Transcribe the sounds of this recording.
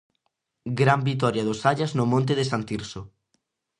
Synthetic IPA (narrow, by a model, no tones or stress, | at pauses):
ɡɾambit̪ɔɾjɐðʊsaʎaznʊmõnt̪̬eðesant̪iɾsʊ